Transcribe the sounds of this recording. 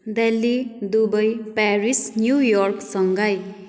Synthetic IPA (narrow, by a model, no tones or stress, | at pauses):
d̪elːid̪ubʌjparisnjujɔrksʌŋɡʌj